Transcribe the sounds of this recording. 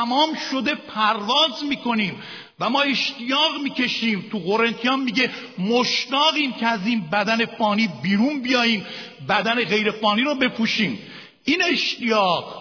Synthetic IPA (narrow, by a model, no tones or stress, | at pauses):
æmɒːmʃo̞d̪e̞pʰæɾvɒːzmiːkʰo̞niːm | væmɒːe̞ʃt̪ijɒːɣmiːcʰe̞ʃiːmt̪ʰuɣoɾe̞nt̪ʰijɒːmmiɟemoʃt̪ɒːɣiːmcʰeæziːnbæd̪æne̞fɒːniːbiːɾuːnbijɒːjiːm | bæd̪æne̞ɣe̞jɾe̞fɒːniːɾobe̞pʰuːʃiːm | iːne̞ʃt̪ijɒːɣ